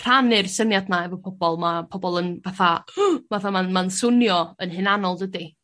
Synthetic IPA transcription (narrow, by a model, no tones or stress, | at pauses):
pʰr̥anɪɨrsənjadnaɛvɔpʰɔbɔlˠmapʰɔbɔlˠənvaθavaθamanmansʊnjɔənhɨnanɔlˠdədi